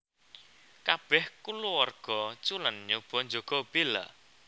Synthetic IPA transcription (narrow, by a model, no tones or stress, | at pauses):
kab̥ɛhkuluwɔrɡ̥ɔt͡ʃulənɲub̥ɔ̤ɲd͡ʒoɡ̥ɔ̤b̥ela̰